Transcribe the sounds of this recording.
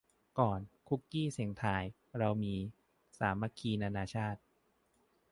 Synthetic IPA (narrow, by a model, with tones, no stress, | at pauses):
kɔː˨˩nkʰu˦˥kːiː˥˩si˨˩˦ŋt̪ʰaː˧j | ɾa˧wmiː˧ | saː˩˦mːa˧kʰiː˧naː˧naː˧t͡ɕʰaː˥˩t̪̚